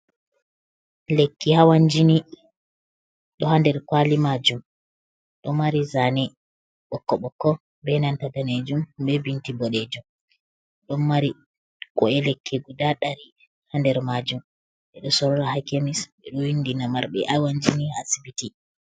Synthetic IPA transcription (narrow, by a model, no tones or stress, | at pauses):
lekːihawaɲd͡ʒini | ɗɔhandɛɾkwalimad͡ʒum | ɗɔmaɾizanɛ | ɓɔkːɔɓɔkːɔ | bɛnantadaned͡ʒumbɛbintibɔɗed͡ʒum | ɗɔnːaɾi | kɔɛlekːiɡudaɗaɾi | handɛɾmad͡ʒum | ɓɛɗɔsɔɾɔɾahakemisɓɛɗɔwindinamaɾɓɛ̰ʔawaɲd͡ʒinihaːsibiti